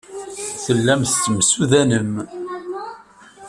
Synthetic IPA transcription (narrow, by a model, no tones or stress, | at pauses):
θəlːæmθt͡sːmsuðænəm